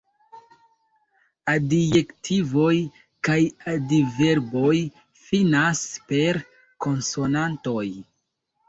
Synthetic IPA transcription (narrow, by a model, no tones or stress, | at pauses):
adijektʰivo̞j | kajadive̞ɾbo̞j | finaspe̞ɾ | ko̞nso̞nanto̞j